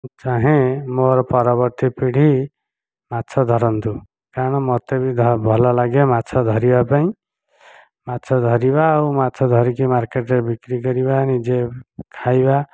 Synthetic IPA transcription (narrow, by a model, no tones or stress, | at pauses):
t͡ʃaɦẽmoɾɔpʌɾɔbʌɾt̪ipiɽ̤ʱi | mat͡sʰɔd̪ʱʌɾʌnt̪u | kaɽ̃ʌmʌt̪ebid̪ʱʌbʱɔlɔlaɡemat͡sʰad̪ʱʌɾibapaĩ | masʰɔd̪ʱʌɾibaumasʰɔd̪ʱʌɾikimaɾkeʈɾebikɾiɡʌɾibanid͡zekʰajba